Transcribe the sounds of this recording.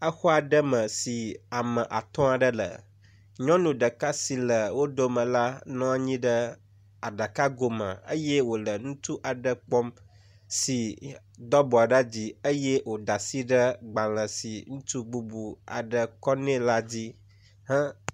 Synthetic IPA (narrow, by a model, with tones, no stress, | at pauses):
a˦xɔ˦a˨ɖə˦mə̃˨si˨a˨mə̃˨ʔa˨t̪ɔ̃˦a˨ɖə˦lə̰˨ | ɲɔ̃˦nũ˨ɖə˨ka˦si˨lə˨wo˦d̪o˦mə̃˨la˦nɔ̃˦a˨ɲĩ˦ɖə˦ | a˨ɖa˨ka˦ɡo˨mə̰̃˨ə̰˦jɛ˦wo˨lə˨nũ˦t̪u˦ʔa˨ɖə˨k͡pɔ˦m | si˨ | d̪ɔ˦bɔ˨a˨ɖa˦d͡ʑi˦ə˦jɛ˦wo˨d̪a˨si˦ɖə˦ɡ͡ba˨l̃ə̃˨si˨ŋũ˦t̪u˦ɡ͡bu˦bu˨a̰˨ɖə˨kɔ˦nɛ̃˦la˦d͡ʑi˦ | ɦã˦